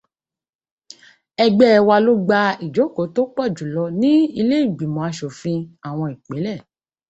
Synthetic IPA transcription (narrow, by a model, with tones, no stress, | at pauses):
ɛ˧ɡ͡bɛ˦˨wa˧lo˦ɡ͡ba˧i˨d͡ʒo˨˦ko˨˦to˦k͡pɔ˦˨d͡ʒu˨˦lɔ˧nĩ˦i˧le˦i˦˨ɡ͡bi˨mɔ̃˨a˧ʃo˨fĩ˧a˨w̃ɔ̃˧i˨k͡pe˨˦lɛ˦˨